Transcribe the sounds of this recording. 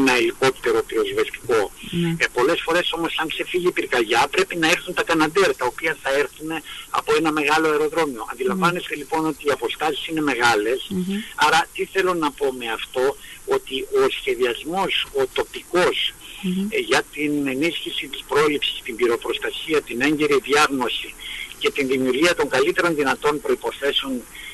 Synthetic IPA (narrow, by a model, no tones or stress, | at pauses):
nɐiliko̞pt̪e̞ɾo̞piozvest̪i̥ko̞po̞le̞sfo̞ɾe̞so̞mo̞sɐŋkse̞fiʝipiɾkɐʝɐpɾe̞pinɐe̞ɾθunt̪ɐkɐnɐd̪eɾɐt̪ɐo̞piɐθɐe̞ɾθune̞ɐ̰po̞e̞nɐme̞ɣɐlo̞eɾo̞ðɾo̞mio̞ɐ̰nd̪ilɐ̃ɱvɐnest̪e̞lipo̞no̞t̪iːɐpo̞st̪ɐsi̥sine̞me̞ɣɐle̞sɐɾɐt̪iθe̞lo̞nɐpo̞me̞ɐft̪o̞ot̪iʔo̞sçe̞ðiɐzmo̞so̞t̪o̞piko̞s | ʝɐt̪ine̞nisçisit̪ispɾo̞lipsi̥st̪imbiɾo̞pɾo̞st̪ɐsiɐt̪ine̞ɲɟe̞ɾiðiɐɣno̞sice̞t̪inðimiuɾʝiɐt̪o̞ŋɡɐlit̪e̞ɾo̞nðinɐt̪o̞npɾo̞ipo̞θe̞seo̞n